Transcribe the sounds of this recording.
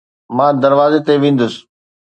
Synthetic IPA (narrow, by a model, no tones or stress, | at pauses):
mãːd̪ɐɾʋaːzet̪eʋẽːn̆d̪ʊsɪ̥